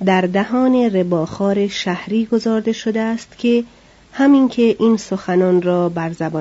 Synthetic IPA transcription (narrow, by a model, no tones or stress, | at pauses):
d̪æɾd̪æhɒːne̞rebɒːxɒːɾe̞ʃæhɾiːɡo̞zɒːɾd̪e̞ʃod̪eæst̪kʲʰe̞ | hæmiŋkʲʰe̞ʔiːnsoxænɒːnrɒːbæɾzæbɒː